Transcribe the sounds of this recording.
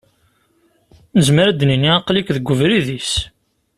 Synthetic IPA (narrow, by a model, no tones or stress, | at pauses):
nəzməɾæd̪niniɑqlikðəɡʷːəvɾiðis